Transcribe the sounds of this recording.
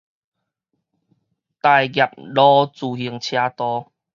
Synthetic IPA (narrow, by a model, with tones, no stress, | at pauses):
t̪a˧jɡja˨˩p̚lɔ˦t͡suː˨˩hi˧˩əŋt͡ɕʰja˧t̪ɔ˧